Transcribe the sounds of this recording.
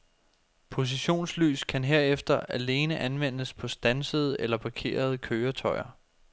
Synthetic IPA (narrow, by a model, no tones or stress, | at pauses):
pʰo̝s̬iɕo̝̰ːnsly̰ːskʰænɦe̝ɐ̰efd̥ɐʔæle̝ːnəʔænʋen̰əspʰɒ̽sd̥ænsəð̞̩ˠʔelɐpʰɑ̈kʰe̝̰ːɐð̞ˠəkʰøːɐt͡sʰɒ̽ɪɐ